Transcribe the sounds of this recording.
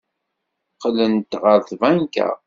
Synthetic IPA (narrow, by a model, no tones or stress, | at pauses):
qlənt̪ʁəɾθvæŋkæ̰